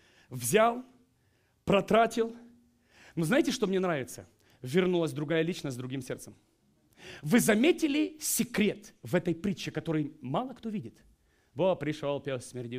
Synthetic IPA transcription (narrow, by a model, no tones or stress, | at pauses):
vzʲalˠ | pɾɐt̪ɾatʲɪlˠ | noznajɪtʲɪʂt̪o̞mnʲenɾavʲɪt̪sə | vʲɪrnulˠəsʲd̪ɾʊɡajəlʲit͡ɕnəsʲzd̪ɾʊɡʲimsʲe̞rt̪səm | vɨzɐmʲetʲɪlʲɪsʲɪkɾʲe̞t̪vɛt̪əjpɾʲit͡ɕːɪkɐt̪o̞ɾɨjmɑlˠəkt̪ovʲidʲɪt̪ | bopɾʲɪʂolˠpʲelˠsʲmʲɪrʲdʲi